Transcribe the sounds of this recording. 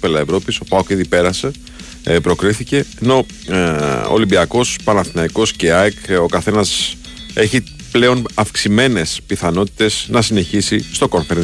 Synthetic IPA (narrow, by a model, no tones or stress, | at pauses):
pelɐevɾo̞piso̞pɐokiðipe̞ɾɐse̞ | pɾo̞kɾiθice̞ːno̞ | o̰limbiɐko̞spɐnɐθinɐiko̞sceɐko̞kɐθe̞nɐs | e̞çi | ple̞o̞nɐfksime̞ne̞spiθɐno̞t̪i̥t̪e̞znɐsine̞çisist̪o̞koɱfeɾe